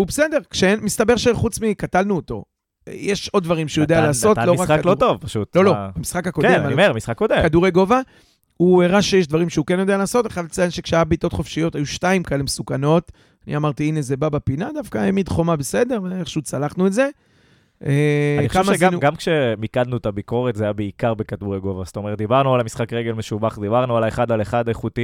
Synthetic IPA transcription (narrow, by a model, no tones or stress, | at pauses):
ubese̞de̞ʁkʃeenmist̪abe̞ʁʃeχut͡smikatalnuot̪o̞̰ | jeʃo̞d̪̚ːvaʁimʃejo̞d̪ealaːso̞tloʁakaklotovpaʃut̪lo̞lo̞amisχakako̞demaemisχakːodekad̪uʁejɡo̞va | ueʁaʃejeʃdvaʁimʃeukenjo̞de̞alaːso̞teχadat͡sajenʃekʃeajabit̪o̞t̪χo̞fʃijo̞tajuʃtaimkaelemesukano̞t̪ | anḭamaʁt̪iine̞zebabapinad̪afkaemid̪χo̞mabese̞d̪e̞ʁeʃut͡salaχnuetze̞ | eaniokamʃeɡanuɡamkʃemikad̪nuet̪abiko̞ʁet̪zajabeikaʁbekad̪uʁeɡo̞vast̪o̞meʁet̚d̪ibaʁnualamisχakʁeɡe̞lmeʃubaχd̪ibaʁnualaeχad̪aleχad̪aeχut̪i